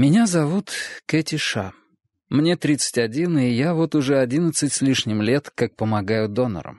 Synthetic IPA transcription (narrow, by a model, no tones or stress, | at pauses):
mʲɪnʲazɐvut̪kɛtʲɪʂa | mnʲe̞t̪ɾʲit̪sɨ̥tʲɐdʲinɨjavo̞t̪ʊʐɛɐdʲinət̪sɨtʲsʲlʲiʂnʲɪmlʲe̞t̪kak̚pəmɐɡajʊd̪o̞nə̰ɾə̰m